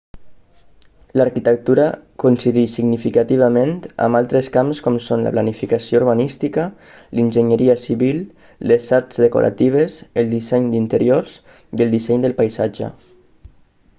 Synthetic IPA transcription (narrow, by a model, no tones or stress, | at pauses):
laɾkit̪ək̚t̪uɾəkunsiðisiɡnifikat̪iβ̞əment̪ə̰mbalˠt̪ɾəskamskɔmsonlə̰planifikasiouɾβanist̪ikə | linʲʒəɲəɾiəsiβilˠ | lezaɾz̥ðəko̰ɾʔa̰t̪iβ̞ezəlˠd̪isɛɲd̪int̪əɾioɾz | iəlˠd̪isɛɲd̪əlˠpajzad͡ʒə̰